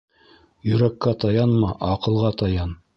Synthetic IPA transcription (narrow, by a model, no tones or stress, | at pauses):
jɵ̆ɾækːæt̪ɑjɑnmɑʔɑqɤ̆lˠʁɑt̪ɑjɑn